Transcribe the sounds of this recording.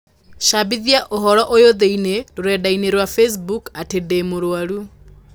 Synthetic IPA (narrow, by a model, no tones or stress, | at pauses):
ʃabiðiaʔoɦɔɾɔʔojoðeineɾoɾɛdaineɾwafes̬bukatedemoɾoaɾu